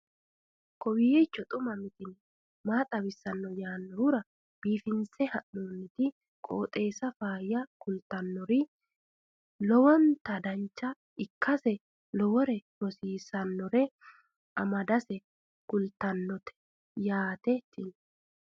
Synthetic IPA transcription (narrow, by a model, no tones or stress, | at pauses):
kɔwɪjɛt͡ʃːɔt̪ʼʊmɐmɪt̪ɪn | maːt̪ʼɐbɪsːɐnːɔjaːnːɔhʊɾɐ | b̥iːfɪnsɛhɐʔoːnːɪt̪ɪ | kʼo̰ːt̪ʼe̞ːsɐfaːjɐkʊlt̪ɐnːɔɾɪ | lɔwɔnt̪ɐd̪ɐnt͡ʃːɐ | ɪkːɐsɛ | lɔwɔɾɛmɔsiːsɐnːɔɾɛ | ɐmɐd̪ɐsɛ | kʊlt̪ɐnːɔt̪ɛ̥ | jaːt̪ɛt̪ːɪn